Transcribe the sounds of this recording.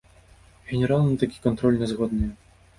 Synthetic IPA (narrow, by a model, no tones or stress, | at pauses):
ɣʲɛnʲɛɾalˠnɨt̪akʲi̥kɔnt̪ɾɔlʲnʲɛzɣɔd̪nɨjɛ